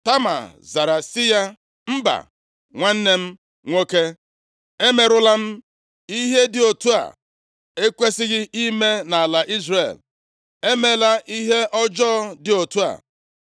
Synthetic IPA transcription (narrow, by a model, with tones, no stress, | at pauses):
ta˦ma̰˨za˨ɾa˨sɪ˦ja˦ | m̩˦ba̰˨ | ŋʷa˦n̩˦ne˦m̩˦ | ŋʷo˦ke˦ | e˦me˨ɾʊ˦la˦m̩˦ | i˦ɦe˦dɪ˨o˨tu˦a̰˨ | e˦kʷe˦sɪ˦ɣɪ˦ʔi˦me˦na˨a˨la˨ʔi˦zrḛ˨l | e˦me˨la˦ʔi˦ɦe˦ʔɔ˦d͡ʒɔː˦dɪ˨o˨tu˦a̰˨